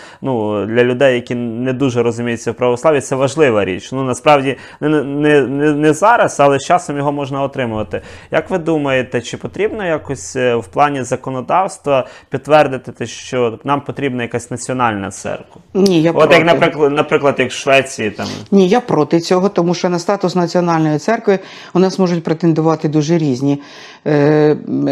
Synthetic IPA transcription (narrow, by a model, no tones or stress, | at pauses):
nud̪lʲɐlʲʊd̪ɛjːɐkʲinɛd̪uʒɛɾɔzʊmʲijʊt͡sʲːɐwpɾɐʋɔsˠɑʋʲit̪sɛʋɐʒlˠɪʋɐɾʲḭt͡ʃnunɐspɾɑwdʲi | nnɛnɛnɛzɑɾɐsɐlˠɛst͡ʃɑsɔmjɔɦɔmɔʒnɐɔt̪ɾɪmʊʋɐt̪ɪjɐkʋɪd̪umɐjet̪ɛt͡ʃɪpɔt̪ɾʲibnɔjakɔsʲwplˠɑnʲizɐkɔnɔd̪ɑwst̪ʋɐpʲid̪̚tːʋɛrd̪ɪt̪ɪt̪ɛʃt͡ʃɔnɑmpɔt̪ɾʲibnɐjɐkasʲnɐt͡sʲiɔnɑlʲnɐ̰t̪sɛ̰rkɐnʲijaɔɾjɐknɐɾɪklˠɐnɐpɾɪklˠɐd̪jɐkʃʋɛt͡sʲijit̪ɑ̰mnʲijapɾɔt̪ɪt͡sʲɔɦɔt̪ɔmuʃt͡ʃɔnɐst̪ɑt̪ʊsnɐt͡sʲiɔnɑlʲnɔjit̪sɛrkʋɪ | ʊnɑzmɔʒʊtʲpɾet̪end̪ʊʋɑt̪ɪd̪uʒɛɾʲizʲnʲi